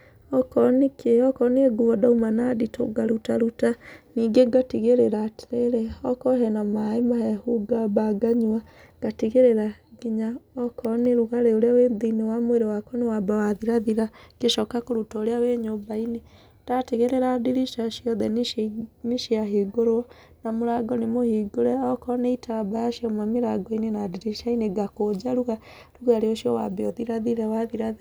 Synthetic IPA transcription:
ɔkɔnekeɔkɔneeɡuɔdaumanaditʰo̰ɡaɾutaɾutaniːɡeɡatiɣeɾeɾatɾeɾeɔkɔɦɛnamaemahɛhuɡabaɡaɲwa | ɡ̥atiɣeɾeɾaɡiɲaɔkɔneɾuɣaɾeoɾeawendiinewamweɾewakɔnewabawaðiɾaðiɾakeʃɔkakoɾutɔoɾeaweɲombaine | tateɣeɾeɾadiɾiʃaʃiɔðɛnneʃiaɦeɡoɾoɔ | namoɾaɡɔnemohiɡoɾɛɔkɔneitabajaʃiɔmameɾaɡɔinenadiɾiʃaineɡakod͡ʒaɾuɣa | ɾuɣaɾeoʃijɔwabɛɔðiɾaðiɾɛwaðiɾaðe

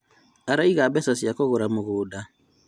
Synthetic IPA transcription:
aɾaiɣabɛsasiakoɣoɾamoɣoːda

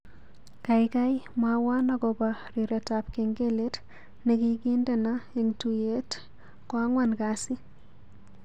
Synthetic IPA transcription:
kajkajmawanɔɡɔbaɾiɾɛtap̚keŋɡelet | nɛkikindenaeŋtujet | kwaŋwankasɪ

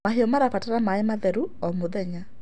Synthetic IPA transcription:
aɦeɔmaɾafataɾamaemaðɛɾuɔmoðɛɲa

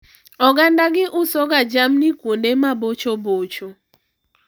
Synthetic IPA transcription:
ɔɡandaɡɪʔʊsɔɡad͡ʒamnikwondemabot͡ʃobot͡ʃo

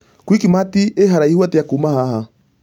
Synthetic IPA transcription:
kwikimatieɦaɾaihwateakuːmahaɦa

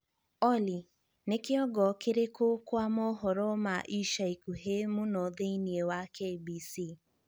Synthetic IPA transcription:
ɔli | nekeɔɡɔkeɾekokwamɔɦɔɾɔmaʔiʃaikuɦemonɔðeiniewakebisi

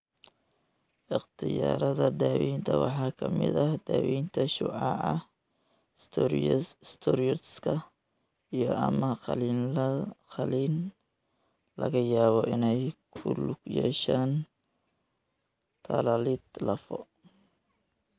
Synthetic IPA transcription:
ʔɪqt̪ʰɪja̰ːɾɐðɐd̪aːwiːnt̪ʰɐwɑħɑːkʰɐmɪ̰d̪ɐhd̪̥aːwiːnt̪ʰɐʃʊːʕɑ̰ʔɐ | st̪ʰɔɾiɔt̪skʰɐ | ijɔɐmɐlː | qɐliːn | lɐɣɐjaːβɔʔɪnɛjkʰʊlʊɡjɛ̰ːʃaːn | t̪ʰɐlɐlɪd̪lɐfɔ̰

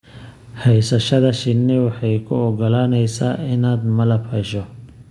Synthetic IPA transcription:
hɛjsɐʃɐðɐʃɪnːɪwɑħɑjkʰʊɔɡɔlaːnɛjsaːɪnaːd̪mɐlɐbhɛʃɔ

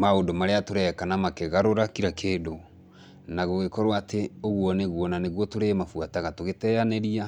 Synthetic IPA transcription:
maondomaɾeatoɾɛkanamakeɣaɾoɾakiɾakʰeːdo | naɣoɣekɔɾwatʰeoɣwɔneɣwɔnaneɣwɔtoɾemafuataɣatoɣetɛaneɾia

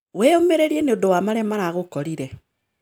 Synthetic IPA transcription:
weomeɾeɾieneodowamaɾɛmaɾaɣokɔɾiɾɛ

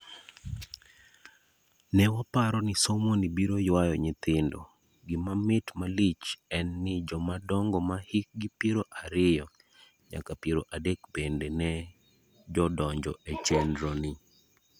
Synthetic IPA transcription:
nɛwapaɾɔnɪsomonibiɾojwajɔɲɪt̪ɪndɔ̰ | ɡɪmamɪtmalit͡ʃɛnːɪd͡ʒɔmadɔŋɡɔmahɪk̚ɡɪpjeɾoʔaɾɪjɔ | ɲa̰kapjeɾoʔadekbendenɛ | d͡ʒɔdɔɲd͡ʒɔet͡ʃendɾonɪ

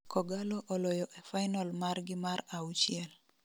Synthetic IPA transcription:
kʰɔɡalɔʔɔlɔjɔʔefajnalmarɡɪmaɾaut͡ʃɪɛl

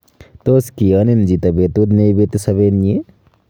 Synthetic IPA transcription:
t̪oːskiɐnind͡ʒit̪ɐbet̪ud̪nebet̪isɐβeːnje

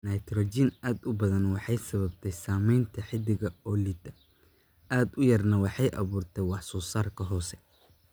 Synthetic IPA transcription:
nɐjt̪ʰrɔt͡ʃinʔaːd̪ʊbɐðɐnwɑħɑjsɐβɐbt̪ʰɛjsaːmɛjnt̪ʰɐħɪd̪ɪɣɐɔlid̪ɐ | ʔaːd̪ʊjɐrnɐwɑħɑjʔɐ̰βuːrt̪ʰɛjwɑħsuːsaːrkʰɐɦɔːsɛ

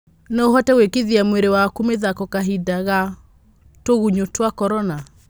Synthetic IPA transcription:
neoɦɔtɛwekeðiamweɾewakumeðakɔkaɦidaɣa | toɣuɲotwakɔɾɔna

